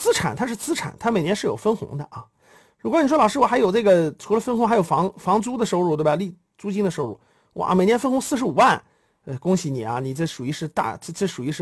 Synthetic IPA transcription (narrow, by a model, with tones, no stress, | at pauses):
t͡sɹ̩˥ʈ͡ʂʰa̰˨˩nt̪ʰa˥ʂɻ̩˥˧t͡sɹ̩˥ʈ͡ʂʰa̰˨˩nt̪ʰa˥me˨˩ɪnjɛ˧˥nʂɻ̩˥˩jo˨˩ʊfə˥nxʊ̰˧˥ŋd̪ə˧ʔɐ˧˩ | ɻu˧˥kʷwɔ˧˥ni˨˩ʂ̬wlɑ˨˩ʂɻ̩˥wɔ˩xjo˨˩ʊʈ͡ʂɤ˥˩ɡə˩ʈ͡ʂʰu˧˥lə˧fə˥nxʊ˧˥xa˧˥ɪjo˨˩ʊfɑ˧˥ŋfɑ˧˥ŋt͡su˥d̪ə˨ʂo˥˧ʊɻu˥˩we˥˩a˩˧li˥˩ | t͡su˥t͡ɕi˥ŋd̪ə˨˧ʂo˥˧ʊɻṵ˥˩ | wɔ̰˧˩me˨˩ɪnjɛ˥nfə˥nxʊ˧˥ŋsɹ̩˥˧ʂɻ̩˧˥u˨˩wa˥˧n | ə˧kʊ˥ŋɕi˨˩ni˨˩ɐ̰˧ni˨˩ʈ͡ʂɤ˥˩ʂu˨˩i˧˥ʂɻ̩˥˧t̪a̰˥˧˥t͡sə˥˩ʂu˨˩i˧˥ʂɻ̩˥˩